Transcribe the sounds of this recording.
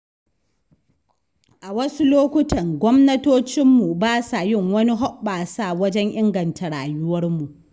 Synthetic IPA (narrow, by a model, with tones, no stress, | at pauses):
ʔa˨wɐ˦su˦loː˦kʷʊ˦tɐ˨ŋɡʷɔ˦mnɐ˦toː˦t͡ʃɪ˦mːu˨baː˦sa˨jɪ˦˨ŋwɐ˦ni˦ɦɔ˦ɓaː˨sa˨wɐ˦d͡ʒɛ˦ŋʔɪ˦ŋɡɐ˨ntʰa˨ɽaː˨jʊ˦wɐ˦rmu˨ʔ